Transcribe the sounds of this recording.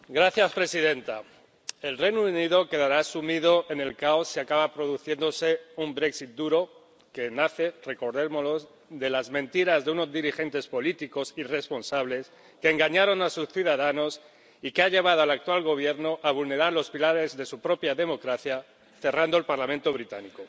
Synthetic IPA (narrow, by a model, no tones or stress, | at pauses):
ɡɾaθjaspɾe̞siðe̞nt̪a | e̞lre̞jnouniðo̞ke̞ðaɾaːsumiðo̞ʔe̞ne̞lkao̞sːiakaβapɾo̞ðuθje̞nd̪o̞se̞umbɾe̞ksit̪̚d̪uɾo̞ | ke̞naθe̞re̞ko̞ɾðemolo̞z | ðe̞lazmẽ̞nt̪iɾazðeuno̞zðiɾixe̞nt̪e̞spo̞lit̪iko̞sire̞spo̞nsaβle̞s | ke̞ːŋɡaɲaɾo̞nasusθjuðaðano̞s | ikeaʎe̞β̞að̞oalak̚t̪walɣo̞β̞je̞ɾno̞ʔaβulne̞ɾaɾlo̞spilaɾe̞zðe̞supɾo̞pjaðe̞mo̞kɾaθja | θe̞rand̪oe̞lpaɾlamẽnt̪o̞β̞ɾit̪aniko̞